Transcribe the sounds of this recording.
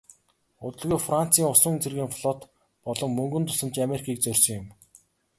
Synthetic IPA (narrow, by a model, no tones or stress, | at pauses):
ʊt̪ɵ̆ɮɣujfran̥t͡siːŋʊsʊ̆ŋnt͡serɣiːŋfɮɔt̪ | pɔɮɞ̆ŋmɵŋɡɵ̆nt̪ʰʊ̥sə̆mt͡ɕameɾikʰiːk̚t͡sœrʲsɞ̆ŋjʊm